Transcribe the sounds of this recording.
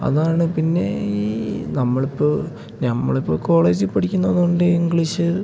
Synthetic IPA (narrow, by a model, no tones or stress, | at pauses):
ɐ̰ðaːɳɨpinːe̞̰iːnɐmːɐɭipːoː | nɐmːɐ̰ɭipːoko̞ːɭeːd͡ʑipːɐʈikʲːunːɐnuoɳɖɨiŋɡɭiɕɨ